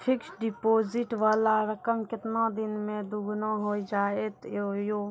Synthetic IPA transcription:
pʰɪksɖipoːzɪʈʋaːlaɾəkəmkɪt̪nãd̪ɪnmẽd̪uɡnãɦoːid͡ʒaːet̪ojo

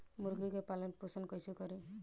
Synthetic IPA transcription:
muɾɡikepalenpusənkɔjsukɔɾi

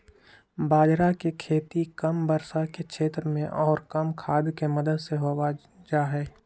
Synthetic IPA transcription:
baːd͡ʒɾakekʰeːt̪ikəmbəɾsakekʃʰeːt̪ɾəmẽʔɔːɾkɐmkʰaːbikemɐd̪əd̪seɦoːa | d͡ʒaːɦɛː

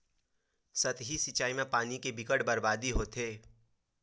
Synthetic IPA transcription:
sɐt̪ɦisɪt͡ʃaːimẽpaːnikebɪkəʈbɐɾbaːd̪iɦoːt̪eː

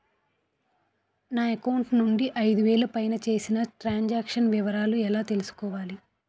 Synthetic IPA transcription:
naːekɐwɳʈnuɳɖiʔɐjd̪uʋɛːlɐpɐjnɐt͡ʃe̞ːsinɐʈɾaːɲd͡ʒaːkʂɐnʋiʋɐɾaːluɛlaːt̪e̞lusu̥kɔːʋaːli

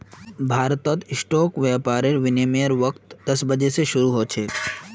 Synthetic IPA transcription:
bʱaːɾt̪ɔt̪ɪsʈoːkʋɛpaːɾeɾʋɪnemijəɾʋɐkt̪d̪ɐsbəd͡ʒeseʃʊɾuɦoːt͡ʃʰe

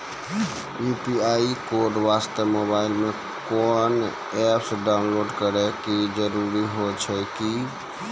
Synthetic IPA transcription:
upiaikoɾɖʋast̪əmobailme | kɔn | ɛpsəɖaʊnloɖkəɾɛkid͡ʒəɾuɾiɦot͡ʃʰɛki

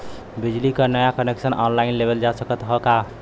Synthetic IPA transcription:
bid͡ʒlikənəjakəneksənɔnlainlebeld͡ʒasəkət̪ɦəka

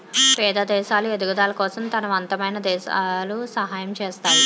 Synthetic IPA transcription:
pɛːd̪ɐd̪ɛːʃaːlued̪uɡɐd̪aːlɐkɔːsɐmt̪ɐnɐʋɐnt̪ɐmɐjnɐd̪ɛːʃalusɐɦaːjɐmt͡ʃɛːst̪aːɾu

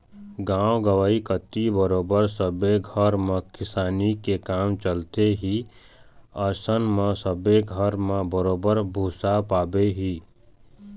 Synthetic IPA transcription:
ɡãːoɡəʋaːikət̪ːibəɾoːbəɾsəbeɡʱəɾmẽkɪsaːnikekaːmt͡ʃəlt̪eɦi | əsənmẽsəbeɡʱəɾmẽbəɾoːbəɾbʱuːsapaːbeɦiː

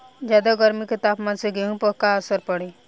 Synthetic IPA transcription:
d͡ʒaːd̪aɡəɾmikɪt̪aːpmãːnseɡeɦũpəkaəsəɾpəɽi

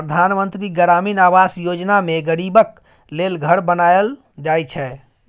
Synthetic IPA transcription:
pɾəd̪ʱanmənt̪ɾiɡəɾaminaʋasjod͡ʒnameɡəɽibək | lelɡʱəɾbənajl | d͡ʒajt͡ʃʰɛ

